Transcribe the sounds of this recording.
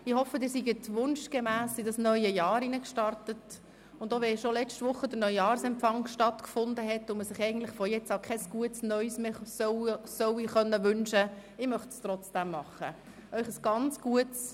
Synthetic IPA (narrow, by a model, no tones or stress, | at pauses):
ɪhɔfːədɪːɾsiɡətʋʊnʃɡ̥emæːsɪdɑsnœʏjəjɑːɾinəkʃtɑrtət | ʊndoːʋɛʃolɛt͡ʃtʋʊχːədəɾnœʏjɑːɾsɛmfɑŋʃtɑtkfʊndəɦɛtːʊməsɪχɛɪɡən̩t̪lɪχfɔjɛt͡sɑʊkʰɛsɡ̥uətsnœʏsmesœsœwiχœnːəʋʏnʃəɪmœχtst̪ɾɔt͡sd̥æmːɑχə̰ | œʏχəsɡ̥ɑnt͡sɡ̥uəts